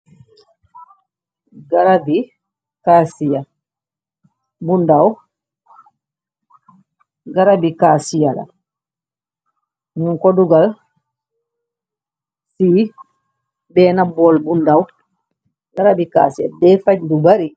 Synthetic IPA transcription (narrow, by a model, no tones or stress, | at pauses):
ɡaɾabi | kasija | bundaw | ɡaɾabikaːsijala̰ | ɲuŋkɔduɡal | si | bɛːnabɔlbundaw | ɡaɾabika̰ːsia̰dɛfaɟdubaɾi